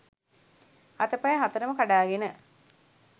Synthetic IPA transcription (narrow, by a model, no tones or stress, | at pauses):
ɐt̪əpɐjəɦat̪əɾəməkaɖaːɡenə